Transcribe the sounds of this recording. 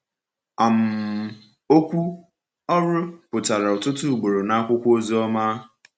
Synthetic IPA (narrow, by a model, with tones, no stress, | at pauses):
a˨m̩˨ | o˦kʷu˦ | ɔ˦ɾʊ˦pʊ˨ta˨ɾa˨ʊ˨tʊ˦tʊ˦˨ɡ͡bo˨ɾo˨na˦a˦kʷʊ˦kʷo˦zi˦ɔ˦ma˦